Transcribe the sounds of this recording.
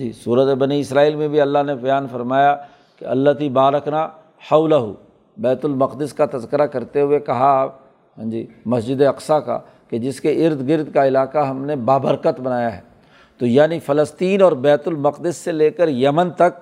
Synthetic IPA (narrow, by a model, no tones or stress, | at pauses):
d͡ʒḭːsuːɾət̪ebɐniɪsɾaːiːlmẽbʱiɐlːaɦnebɐjaːnfɐɾmaːja | keɐ̰lːət̪ibaːɾɐkʰna | hɐʊlɐɦʊ̰ | bɛːt̪ʊlmɐqd̪ɪskat̪ɐzkɪɾakɐɾt̪eɦʊekɐɦaːp | ɦãːd͡ʒiːmɐsd͡ʒɪd̪eɐqsaka̰ | ked͡ʒɪskeʔɪɾd̪ɡɪɾd̪kaɪlaːkaɦɐmnebaːbəɾkət̪bɐnaːjaɦɛ̰ː | t̪ojaːnifɐləst̪iːnɔːɾbɛːt̪ʊlmɐqd̪ɪsːeleːkəɾjɐmənt̪ɐk̚